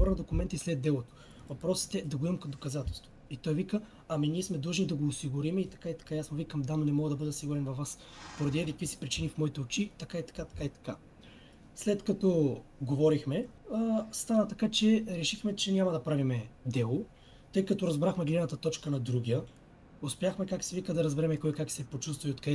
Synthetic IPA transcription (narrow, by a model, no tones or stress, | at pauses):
bɾnɐd̪okʊmɛnt̪əislɛd̪ɛlˠot̪o̥ | vɐpɾɔsə̥t̪ɛd̪ɐɡoimkɐd̪okɐzat̪ɛlˠst̪voit̪ɔjvikə | ɐminʲiɛsmɛd̪lˠɤʒnid̪ɐɡoːsiɡʊɾimɛit̪ɐ̥kait̪ɐ̥kaiasmovikɐmd̪anonɛmɔɡəd̪ɐbɤd̪ɛsiɡʊɾɛnvɐfvːas | poɾɐd̪iɛikəkvisi̥pɾit͡ʃinifmɔit̪ɛot͡ʃit̪ɐkait̪ɐ̥kat̪ɐ̥kait̪ɐ̥ka | slɛt̪kɐt̪ɔɡovɔɾixmɛ | st̪anət̪ɐkat͡ʃɛɾɛʃixmɛt͡ʃɛnʲamɐd̪ɐpɾavimɛd̪ɛlˠo | t̪ɤjkɐt̪oɾɐzbɾaxmɛɡlɛnət̪ɐt̪ɔt͡ʃkənɐd̪ɾuɡʲijə | ospʲjaxmɛkaksivikəd̪ɐɾɐzbɛɾɛmɛkɔjkaksɛpot͡ʃust̪vɐiot̪kɛ